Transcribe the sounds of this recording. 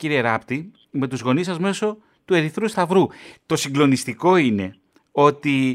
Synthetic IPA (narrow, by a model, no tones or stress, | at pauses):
ciɾieɾɐpt̪i | me̞t̪uzɣo̞nisɐzme̞so̞ | t̪ue̞ɾiθɾust̪ɐvɾut̪o̞siŋɡlo̞nist̪iko̞ine̞ | o̞t̪i